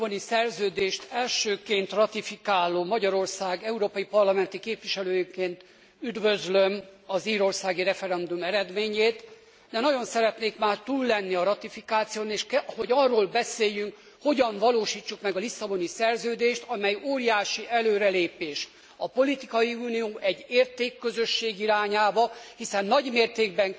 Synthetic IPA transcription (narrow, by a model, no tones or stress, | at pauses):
bonisɛrzøːd̪eːʃt̪ɛlʃøːkeːnt̪rɒt̪ifikaːlːoːmɒɟɒɾo̞rsaːɡɛuɾoːpɒjipɒrlɒmɛnt̪ikeːpʋiʃɛløːjikeːnt̪ | yd̪vø̞zlømɒziːɾo̞rsaːɡiɾɛfɛɾɛnd̪umɛɾɛd̪meːɲeːt̪ | d̪ɛnɒɟo̞nsɛɾɛt̪neːkmaːrt̪uːlːɛnːiɒɾɒt̪ifikaːt̪sijoːneːʃkho̞ɟɒrːoːlbɛseːjːyŋk | ho̞ɟɒɱvɒloːʃiːt͡ʃːukmɛɡɒlisːɒbo̞nisɛrzøːd̪eːʃt̪ɒmɛjoːɾijaːʃiʔɛløːɾɛleːpeːʃ | ɒpo̞lit̪ikɒjiuːnijoːʔɛɟːeːrt̪eːkːø̞zø̞ʃːeːɡiɾaːɲaːbɒhisɛnːɒɟmeːrt̪eːɡ̚bɛŋ